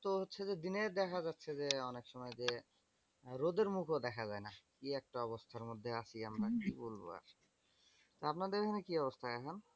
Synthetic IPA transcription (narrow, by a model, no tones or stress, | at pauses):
t̪oɦotːɕʰed͡ʑed̪ined̪ɛkʰad͡ʑatːɕʰed͡ʑeɔnekʃɔmɔed͡ʑe | ɾod̪eɾmukʰod̪ɛkʰad͡ʑaenakiɛk̚ʈaɔbost̪ʰaɾmod̪ʱːeaʃiamɾakibolbo̰a̰ɾ | t̪oapnad̪eɾkʰanekiɔbost̪ʰaakʰon